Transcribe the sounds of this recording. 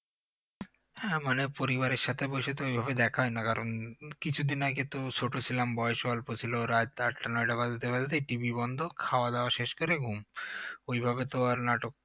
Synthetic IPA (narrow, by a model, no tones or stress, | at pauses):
hɛ̃manepoɾiβaɾeɾʃat̪ʰebojʃet̪oojbʱabed̪ɛkʰaɦɔjnakaɾonkit͡ɕʰud̪inakit̪ut͡ɕʰoʈot͡ɕʰilambɔeʃalpot͡ɕʰiloɾad͡ʑaʈːanɔjʈabad͡ʑat̪ebad͡ʑat̪eʈibibɔnd̪ʱokʰaoad̪ɛoaʃeʃkoɾeɡʱumojbʱabet̪oaɾnaʈok̚